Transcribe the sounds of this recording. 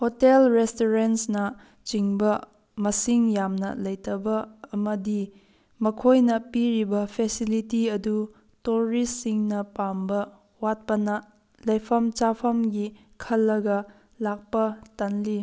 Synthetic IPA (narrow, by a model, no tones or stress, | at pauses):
hotelɾestoɾensnɐ | t͡ʃiŋbɐ | mɐsiŋjamnɐ̰lɐjtɐbɐːmɐdi | mɐkʰojnɐpiɾibɐpʰesilitiɐdu | toɾisːiŋnɐpambɐ | wat̚pɐnɐ | lɐjpʰɐmt͡ʃapʰɐmɡi | kʰɐlːɐɡɐ | lak̚pɐtanli